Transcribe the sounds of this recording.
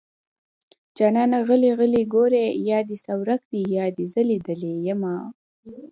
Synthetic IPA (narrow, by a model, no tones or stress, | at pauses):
d͡ʒɑːnɑːnaɣəliɣəliɡoɾejɑːd̪isawɾak̚d̪ijɑːd̪izəlid̪əlejema